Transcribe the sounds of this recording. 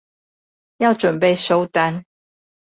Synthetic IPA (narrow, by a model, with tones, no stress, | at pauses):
jɑ˥˨ʊʈ͡ʂwə˨˩npe˥˨ɪʂo˦ʊt̪a˦n